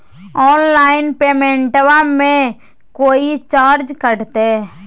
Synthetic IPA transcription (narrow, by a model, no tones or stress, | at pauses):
ɔːnlaːɪnpeːmẽːɳʈʋamẽ | koːit͡ʃaːɾd͡ʒkəɽt̪eː